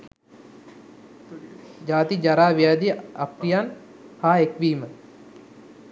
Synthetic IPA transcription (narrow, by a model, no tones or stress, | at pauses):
d͡ʒaːt̪id͡ʒaɾaːʋijaːd̪ijəapɾijan | haːekʋiːmə